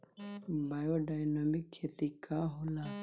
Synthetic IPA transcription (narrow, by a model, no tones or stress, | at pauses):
bajoɖajnamikʰːet̪ikaɦula